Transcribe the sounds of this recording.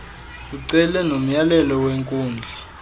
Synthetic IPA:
kuǀɛlɛnom̩jalɛlɔweŋkʼuːnd͡ɮʱa

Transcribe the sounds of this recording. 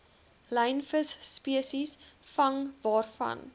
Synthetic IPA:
lɛjnfəsːpiəsisfɐŋvɑːrfɐ̰n

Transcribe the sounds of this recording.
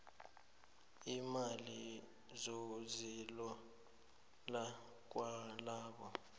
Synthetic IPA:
imali | zozilɔ | la | k̬walaːɓɔ

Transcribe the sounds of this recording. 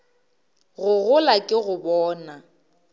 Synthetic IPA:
ɣʊɣʊlakʼɪɣʊbɔːna

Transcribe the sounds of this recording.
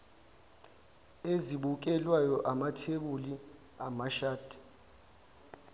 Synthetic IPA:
eziɓuk̬ʼɛlwajɔʔamatʰeɓuli | amaʃaːd̥ʱi̥

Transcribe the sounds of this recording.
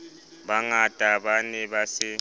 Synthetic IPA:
βaŋad̥ʼʱaβanɛβasɪ

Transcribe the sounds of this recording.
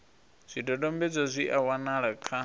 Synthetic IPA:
z̥ʷidɔdʼɔmbɛd͡zɔzʷiʔawanaɺakʰa

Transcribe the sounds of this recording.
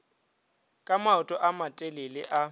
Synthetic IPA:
kʼamaʊtʼɔʔamatʼelɪlɪʔa

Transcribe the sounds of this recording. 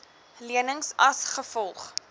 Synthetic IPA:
liənəŋsɐsχəfɔlˠχ

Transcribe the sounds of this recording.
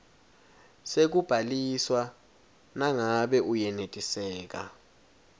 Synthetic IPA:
sek̬ub̥ʱaliswa | naŋaɓɛʔujɛnetʼisɛːk̬a̰

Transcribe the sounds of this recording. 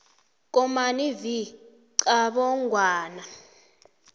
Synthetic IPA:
k̬ʼɔmanivi | ǀaɓɔŋɡwaːna

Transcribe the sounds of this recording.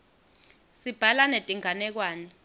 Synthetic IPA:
sib̥ʱalanetʼiŋanɛk̬waːnɛ

